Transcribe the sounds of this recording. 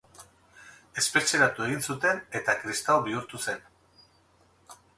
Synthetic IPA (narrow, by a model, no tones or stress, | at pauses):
e̞spe̞t͡ʃe̞ɾat̪ue̞ɣ̞insut̪e̞ne̞t̪akɾist̪awβiuɾt̪use̞n